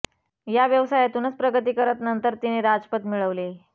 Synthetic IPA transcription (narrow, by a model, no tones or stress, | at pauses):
jaʋjəʋsajat̪uːnət͡spɾəɡət̪iːkəɾət̪nənt̪əɾt̪ineɾad͡zpət̪miɭəʋle